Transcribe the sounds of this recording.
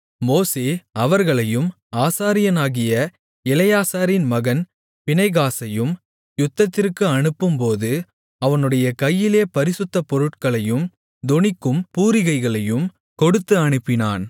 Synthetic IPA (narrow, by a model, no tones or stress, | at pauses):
moːseːɐʋɐɾɣɐɭɐjɯm | aːsaːɾɪjɐnaːɣɪjɐ | ɛlɐjaːsaːɾɪnmɐɣɐn | pɪnɐɪɣaːsɐjɯm | jʊt̪ːɐt̪ːɪrkɯɐɳɯpːɯmpoːðɯ | ɐʋɐnɯɽɐjɐkɐjːɪleːpɐɾɪsɯt̪ːɐpɔɾɯʈkɐɭɐjɯm | d̪ɔɳɪkːɯmpuːɾɪɣɐɪɣɐɭɐjɯm | kɔɽɯt̪ːɯɐɳɯpːɪna̰ːn